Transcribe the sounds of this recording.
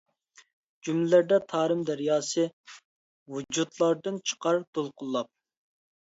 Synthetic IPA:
d͡ʒumlɪlæɾd̪ɛt̪ʰɑːɾɨmd̪æɾjɑːsɨ | wud͡ʒut̪lˠɑɾd̪ɨnt͡ʃʰə̥qʰɑɾd̪̥olˠqʰʊlˠːɑp̚

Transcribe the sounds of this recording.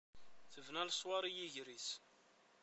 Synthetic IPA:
θəvnælsˤwɑɾˤijiʝɾis

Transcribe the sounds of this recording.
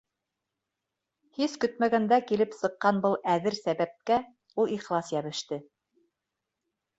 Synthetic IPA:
hiskɵ̆t̪̚mæɡænd̪ækilɘpsɤ̆qːɑnbɤlˠæðɘɾsæβæp̚kæ | ulˠiχlˠɑsjæβɘ̆ʃt̪ɘ

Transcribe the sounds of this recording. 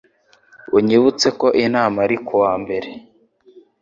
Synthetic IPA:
uɲiβut͡se̞ko̞ʔinaːmaɾikʰuwaːmbe̞ɾe̞

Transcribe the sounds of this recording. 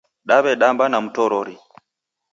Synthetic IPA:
ɗaβɛɗambanam̩tɔɾɔɾi

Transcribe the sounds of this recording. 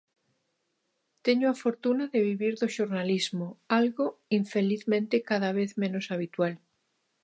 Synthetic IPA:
t̪eɲoafoɾt̪unaðeβiβiɾðoʃoɾnalizmoalɣoiɱfeliθmẽnt̪ekaðaβ̞eθmẽnosaβit̪wal

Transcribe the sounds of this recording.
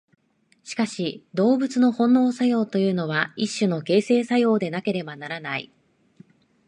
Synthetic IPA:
ɕi̥kaɕid̪o̞ːbɯ̟t͡sɨno̞hõ̞nːo̞ːsajo̞ːt̪o̞jɯ̟ːno̞β̞aiɕːɨno̞ke̞ːse̞ːsajo̞ːd̪e̞nake̞ɾe̞banaɾanaḭ

